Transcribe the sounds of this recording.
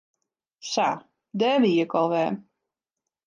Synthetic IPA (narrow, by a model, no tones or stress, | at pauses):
sa̰ | dɛːʋiəkɔlˠʋɛː